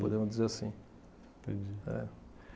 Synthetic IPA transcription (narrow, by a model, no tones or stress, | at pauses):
pod̪ẽmʊzd͡ʒizeɾasĩ | pd͡ʒɛ̰